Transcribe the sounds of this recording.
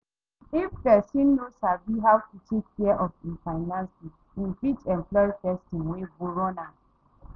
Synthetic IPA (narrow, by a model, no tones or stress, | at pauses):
ifkɛsĩnːosabiɦawkit͡ʃetkɛʔɔfinfaɪnãnsi | infit͡ʃɛmplɔifɛstĩŋweboɾɔna